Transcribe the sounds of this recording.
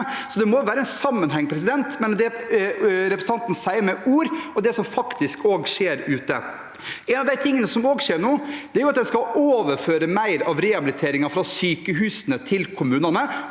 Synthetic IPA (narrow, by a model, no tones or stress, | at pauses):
sɔd̪ɛmɔʋæːɾəɛnsɑmːənɦɛŋːpʰɾɛs̬ɪd̪ɛnt̪mɛnd̪ɛ | ɾɛpɾəsn̩ɑnt̪n̩sæɪəɾmɛʔuːɾɔd̪ɛsɔmfɑkt̪ɪskoːɡʂeːɾʉːt̪ə̰ | ɛɪnɑʋd̪æɪt̪ʰɪŋːənəsɔmoːɡʂeːɾɳoːd̪ɛæɾjʊɑt̪̚d̪ɛnskɑoːʋəɾføːɾəmæɪɾɑʋɾɛɑbɪlɪt̪ʰeːɾɪŋɑfɾɑːsyːkəɦʉːsənət̪ʰɪlkʰʊmʉːnɑnə